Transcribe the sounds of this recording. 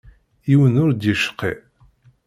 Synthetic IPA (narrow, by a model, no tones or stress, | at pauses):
iwənʊɾd̪iʃə̥qːḭ